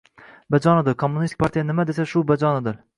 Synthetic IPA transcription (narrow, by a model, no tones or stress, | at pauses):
bad͡ʒɒnɪd̪ɪɾkʰomːunist̪i̥k̚ʲpʰaɾt̪ʰijanɪmad̪esaʃʊbad͡ʒɒnɪd̪ɪɾ